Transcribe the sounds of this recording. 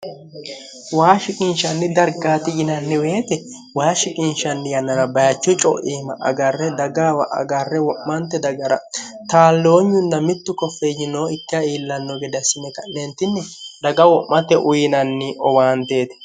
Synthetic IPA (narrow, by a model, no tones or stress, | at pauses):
waːʃɪkʼɪnʃɐnːɪd̪ɐɾɡaːt̪ɪɡɪnɐnːɪweːt̪ɛ | waːʃɪkʼɪnʃɐnːɪjɐnːɐɾɐbɐjɐt͡ʃːɔt͡ʃʼɔ̰ʔeːmɐʔɐ̰ɡɐrːɛd̪ɐɡaːwɐʔɐ̰ɡɐrːɛwɔʔmɐnt̪ːɛd̪ɐɡɐɾɐ̰ | t̪aːlːo̞ːɲːʊnːɐmɪt̪ːʊkɔfːejɪnoːɪkːɐiːlːɐnːɔɡɛd̪ɐsɪmɛkɐnɛnt̪ːɪnːɛd̪ɐɡɐwɔʔmɐt̪ɛʔʊjɪnɐnːɪʔɔwaːnt̪e̞ːt̪ɛ̥